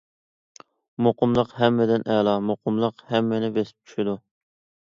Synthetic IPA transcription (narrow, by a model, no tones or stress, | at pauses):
moqʊmlˠəqhɛmːɪd̪ɪnʔɛlˠɑmoqʰʊmlˠəqhɛmːɪnɪbesɪ̥p̚t͡ʃʰy̥ʃid̪u